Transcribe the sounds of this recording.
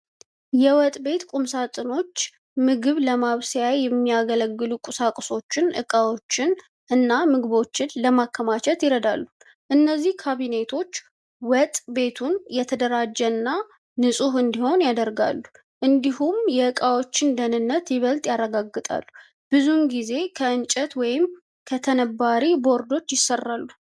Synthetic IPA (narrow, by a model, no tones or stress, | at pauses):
jɛwɔt̪ʼbe̞t̪kʼumsat̪ʼɨno̞t͡ʃː | mɨɡɨβləmaβsjajjɛmːijaɡələɡːɨlukʼʊsakʼso̞t͡ʃːɪnʔɨ̰kʼawo̞t͡ʃːɪn | ʔɨnːamɨɡɨβo̞t͡ʃːɪnləmakʰːəmat͡ʃʰɛt̪jɪɾəd̪alːu | ʔɨnːəzːihkʰaβine̞t̪ʰo̞t͡ʃː | wɔt̪ʼbe̞t̪ʰunjɛt̪ʰəd̪əɾad͡ʒːɛnːa | nɨsʼuɦɨnd̪iho̞njad̪əɾɡa̰lːu | ʔɨnd̪ihumjɛɨkʼawo̞t͡ʃːɪnd̪ənɨnːət̪jɪβəlt̪ʼjarːəɡaɡːɨt̪ʼa̰lːu̥ | b̥ɨzumɡize̞kʰəɨnt͡ʃʼət̪wɔjɪm | kʰət̪ʰənəbaɾibo̞ɾd̪o̞t͡ʃːjɪsːərːalːu